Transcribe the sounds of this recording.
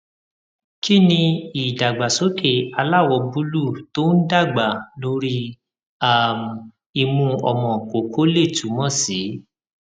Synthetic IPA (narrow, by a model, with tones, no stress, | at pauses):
ki˦˨nĩ˧i˨da˨ɡ͡ba˨so˨˦ke˦˨a˧la˦˨wɔ˧bu˦lu˦˨to˦n̩˦da˦˨ɡ͡ba˨lo˧˦ɾi˦ | a˦˨m˨ | i˧mũ˧ɔ̰˨mɔ̃˨ko˨kʰo˨˦le˦˨tu˨˦mɔ̃˦˨si˨˦